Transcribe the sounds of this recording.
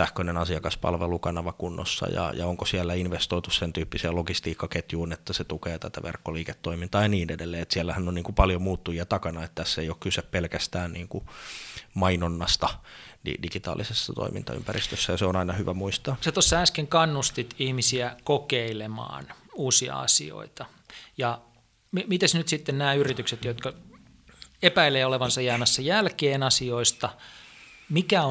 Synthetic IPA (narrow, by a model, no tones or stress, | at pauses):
sæhkønenɑsiɑkɑspɑ̰lʋelukɑnɑʋɑkunːo̰sːɑ̰jɑ̰jɑ̰oŋkosiælːæinʋest̪oit̪ussent̪yːpːiseːloɡist̪iːkːɑket̪juːnet̪ːæset̪ukeːt̪æt̪æʋḛrkːoliːket̪ːoimint̪ɑːjɑniːnedelːeːet̪siælːæhænːonniːŋkupɑljomuːt̪ːujiɑt̪ɑkɑnɑet̪t̪æsːeijokkyseppelkæst̪æːnniːŋku | mɑinonːɑst̪ɑdḭdiɡit̪ɑ̰ːlisesːɑt̪o̰imḭnt̪ɑ̰y̰mpærist̪øsːæjɑseonɑinɑhyʋæmuist̪ɑːset̪osːɑæskeŋkɑnːust̪it̪ihmisiækokeilemɑ̰ːnuːsiɑ̰ɑ̰sḭo̰it̪ɑ | jɑ | mmit̪esnyt̪sit̪ːennæːyrit̪ykset̪jot̪kɑ | epæileːoleʋɑnsɑjæːmæsːɑjælkeːnɑsioist̪ɑ | mikæo